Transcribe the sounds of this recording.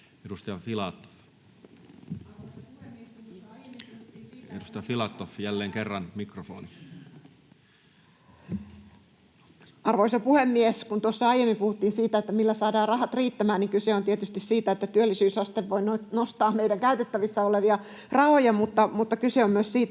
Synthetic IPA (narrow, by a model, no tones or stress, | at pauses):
edust̪ɑjɑfilɑt̪ːo̥f | edust̪ɑjɑfilɑt̪ːofjælːeːŋkerːɑnmikrofo̰ːni | ɑrʋoisɑpuhemːieskunt̪uosːɑɑijemːimpuhut̪ːiːnsiːt̪æet̪ːæmilːæsɑːdɑːrrɑhɑt̪riːt̪ːæmæːnniŋkyseont̪iet̪yst̪issiːt̪æet̪ːæt̪yølːisyːsɑst̪eʋʋoinonost̪ɑːmmeidæŋkæyt̪et̪ːæʋisːɑoleʋiɑ | rɑhojɑmut̪ːɑmut̪ːɑkyseommyøssiːt̪æ